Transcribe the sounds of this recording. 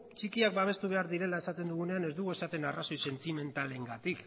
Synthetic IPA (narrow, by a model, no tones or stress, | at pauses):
t͡ʃikiak̚baβ̞e̞st̪uβ̞e̞aɾðiɾe̞lae̞sat̪e̞nd̪uɣ̞une̞ane̞zd̪uɣoe̞sat̪e̞naraso̞jse̞nt̪ime̞nt̪ale̞ŋɡat̪ik